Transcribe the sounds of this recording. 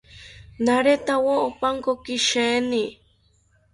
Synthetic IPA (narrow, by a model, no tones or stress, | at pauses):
naɾet̪awoopaŋkokiʃeni